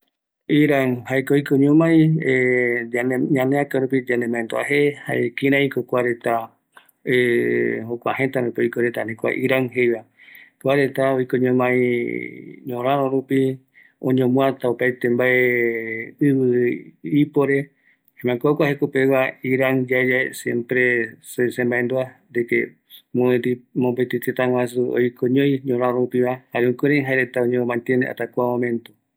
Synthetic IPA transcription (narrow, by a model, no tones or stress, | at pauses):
iɾaŋhaekoojkõɲõmãj̃e | ɲãneakaɾupid͡ʒanẽmãẽnd̪oa̰hehaekĩɾ̃ãĩkokʷaɾe̞t̪a | ehokʷa̰hẽ̞t̪aɾũpiojkoɾet̪ahẽkʷa̰ʔiɾaŋɦejβa | kʷaɾe̞t̪aojkoɲõmãĩ | ɲõɾãɾõɾupi | õ̰ɲõmũat̪aupajt̪embae | ɨβɨipoɾe̞ | emãkokʷahekopeβaiɾaŋd͡ʒaed͡ʒaesjḛ̃mpɾesesembaend̪uand̪eke | moet̪imombet̪it̪et̪aŋwas̬uo̰jkʰõɲõj̃ɲõɾãɾõɾupiβahaɾeũkuɾĩɦaeɾet̪aõɲẽmãnt̪ẽnḛʔa̰t̪akʷamõmẽ̞nt̪u